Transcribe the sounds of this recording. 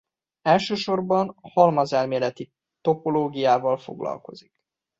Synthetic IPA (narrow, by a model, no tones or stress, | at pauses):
ɛlʃøːʃo̞rbɒnhɒlmɒzɛlmeːlɛt̪i | t̪o̞po̞loːɡijaːvɒlfo̞̰ɡlɒ̰lko̞̰zik